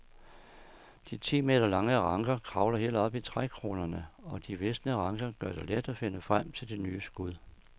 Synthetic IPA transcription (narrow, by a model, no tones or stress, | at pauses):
d̥it͡sʰḭːme̝̰ːd̥ɐlɑ̈ŋəʁɑ̈ŋɡ̥ɐkʰʁɑ̈ʊlɐɦe̝̰ːlɒ̽b̥it͡sʰʁakʰʁo̝ːnɐnəɒ̽d̥iʋesd̥nəʁɑ̈ŋɡ̥ɐɡ̥ɶɐd̥e̝led̥æfe̝nəfʁam̰t͡sʰe̝ld̥e̝nyːəsɡ̥uð̰ˠ